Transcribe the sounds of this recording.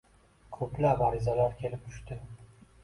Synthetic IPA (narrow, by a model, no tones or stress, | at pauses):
kʰɵplapaɾɪzalaɾkʲʰe̞lɪp̚t̪ʰʊ̥ʃt̪ɪ